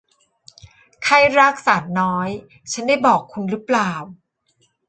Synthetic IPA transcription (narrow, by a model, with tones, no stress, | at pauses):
kʰa˧˩jɾaː˥˩k̚saː˩˦t̪̚nɔː˦˥j | t͡ɕʰa˦˥ndaː˥˩jbɔː˨˩kʰːu˧nɾɯː˦˥plaː˨˩w